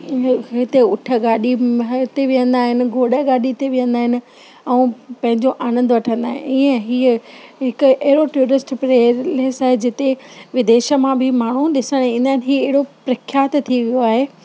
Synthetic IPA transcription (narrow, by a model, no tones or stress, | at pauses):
ɪt̪eʊʈʰə̆ɡaːɗiɦt̪eʋijə̃nd̪aːɦɪnɪ̆ɡʱoːɽəɡaːɗit̪eʋijə̃nd̪aːɦɪnɪ̆ | ɛũpɐ̃ɦɪ̃ɲd͡ʑoʔaːñə̃nd̪ʊʋɐʈʰə̃nd̪aːɦɪ̰niə̃ɦiːəɦɪkʊ̆ɐɦɪɽoʈuːɾɾɪsʈpɾeːleːsaːɦed͡ʑɪt̪eʋɪd̪eːʃə̆mãbʱɪmaːɳ̤uɗɪsəɽ̃ĩːnd̪aːɦɪnɪɦiːɐɦɪɽopɾɐkʰːjaːt̪t̪ʰiʋijoaːɦeː